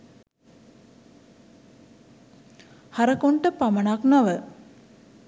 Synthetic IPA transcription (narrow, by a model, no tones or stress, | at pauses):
haɾəkoɳʈəpamənaknaʋə